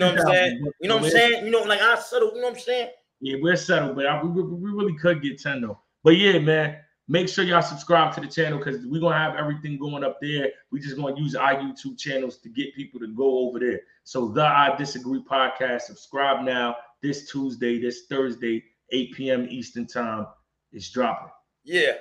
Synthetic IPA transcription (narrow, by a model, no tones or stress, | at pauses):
noãmaɛ̃jɨnoʊãsɛ̃njɨnoʊlaɪkaɪsɛɾl̩ˠjɨnoãɪ̃msæ̃n | jæwisɛɾl̩ˠbʌɾaɪwiɪwwiɹɪlˠikʰʊd̚ɡɛt̚tʰɛ̃nol̩ | b̥ʌt̚jæmæ̃n | meɪkʃʊɹjasəb̥skɹaɪb̚tʰɨðɨt͡ʃʰæ̃nl̩ˠkʰʌzwiɡõnəəvɛvɹiθɪ̃ŋɡoʊɪ̃ŋʌp̚ðə˞wid͡ʒʌsɡ̥wʌ̃nəjʉzaɪjʉtʰub̚t͡ʃʰænl̩ˠz̥tʰɨɡɛt̚pʰipl̩ˠtʰɨɡoʊoʊvə˞ðə˞ | soʊðəaɪdɪsɨɡɹipʰɑd̚kʰæsstsəb̥skɹaɪb̚naʊðɪstʰuzdeɪðɪsθɜ˞zdeɪ | eɪpʰiɛ̃mistə̃˞ntʰãɪ̃m | ɨtsdɹɑpɪ̃ŋ | jæ